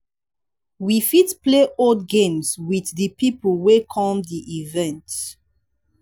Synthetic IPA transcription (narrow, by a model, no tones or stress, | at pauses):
wifitpleʔodɡẽmswiððəpipəlwekʰɔ̃mdiʔivɛ̃nt